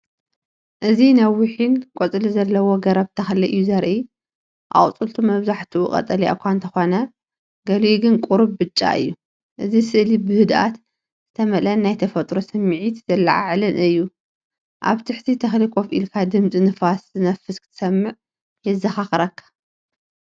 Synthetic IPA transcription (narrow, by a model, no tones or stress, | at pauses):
ʔɨzinɐwɪħinkʼot͡sʼɨlizɐlːɐwoɡɐɾɐβt̪ʰɐxliʔɨjːuzɐɾʔi | ʔa̰χʼt͡sʼɨlt̪ʰumɐβzaħt̪ʰuʔṵkʼɐ̰t̪ʼɐlija̰kʷʰant̪ʰɐxo̞nɐ | ɡɐliɡɨnkʼuɾubbɨt͡ʃʼːa̰ʔɨ̰jːu | ʔɨzisɨʔlibɨhɨd̪ʔa̰t̪ | z̥ɨt̪ʰɐmɐlɐnnajt̪ʰɐfɐt̪ʼɾo̞sɨmːʕit̪zɐlːɐ̰ʕa̰ʕlɨnʔɨjːu | ʔa̰βt̪ʰɨħt̪ʰit̪ʰɐxlikʷʼofḭlkʰad̪ɨmt͡sʼinɨfaszɨnɐfɨskʰɨ̥t̪ʰɨ̥sɐmːɨʕ | jɛzːɐxaxɐɾɐkʰːḁ